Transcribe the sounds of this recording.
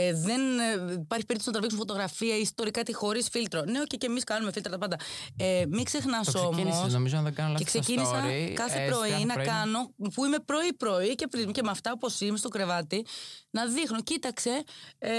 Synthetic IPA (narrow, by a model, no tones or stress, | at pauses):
eðenpɐɾçipeɾit̪osnɐt̪ɾɐviksunfot̪o̞ɣɾɐfiɐiist̪o̞ɾikɐt̪ixo̞ɾisfilt̪ɾone̞ocecemiskɐnume̞filt̪ɾɐt̪ɐpɐnd̪ɐemikse̞xnɐso̞mnosnomizoðeɡɐneksescinisɐkɐθepɾo̞inɐkɐɐno̞puime̞pɾo̞ipɾo̞ice̞fɾizmcemeɐft̪ɐopo̞simest̪o̞kɾe̞vɐt̪inɐðixnocit̪ɐkse̞